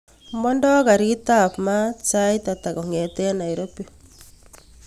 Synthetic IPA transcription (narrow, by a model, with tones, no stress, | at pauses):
mɔ˦ndɔ˦ɣa˨ɾita˦˨pma˦t͡ʃa˦jta˨ta˨ɣo˨ŋɛ˨tɛ˦na˨i˨ɾo˦pe˦